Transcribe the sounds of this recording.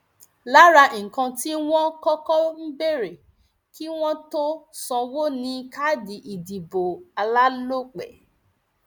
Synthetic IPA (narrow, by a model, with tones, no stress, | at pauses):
la˦ɾa˧˨kã˧ti˦w̃ɔ̃˦kɔ˦kɔ˦m̩˦be˦ɾe˨ | ki˦w̃ɔ̃˦to˦sɔ̃˧wo˦nĩ˧ka˦di˨ʔi˨di˨bo˨a˧la˦lo˦˨k͡pɛ̰˨